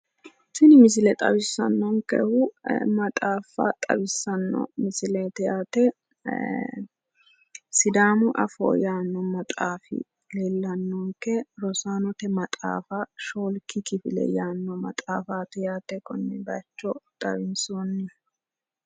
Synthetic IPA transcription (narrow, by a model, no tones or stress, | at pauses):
sɪnɪmɪs̬ɪlɛt̪ʼɐbɪsːɐ̰nːɔŋkɛ̰hʊmɐt̪ʼaːfɐ̰t̪ʼɐ̰bɪsːɐnːɔ̰mɪsɪlɛt̪ɛjaːt̪ɛ | sɪd̪aːmʊʔɐ̰fo̰ːjaːnːɔmɐt̪ʼaːfɪ̰ | leːlːɐnːɔŋkɛɾɔsaːnɔt̪ɛmɐt̪ʼa̰ːfɐʃoːlkɪkɪfɪlɛ̰jaːnːɔmɐt̪ʼaːfaːt̪ɛjaːt̪ɛkɔnːɛbɐt͡ʃːɔt̪ʼɐ̰βɪnsoːnːɪ